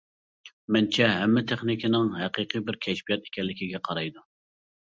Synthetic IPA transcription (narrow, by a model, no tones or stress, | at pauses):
mɛnt͡ʃʰɛɦɛmːɪt̪ʰeχnɪkʲinɪŋɦɛqʰiqʰɨbɪɾkʲʰɛʃbijɑt̪e̥kʲɛlːɪkʲiɡʲɛqʰɑɾɑjd̪u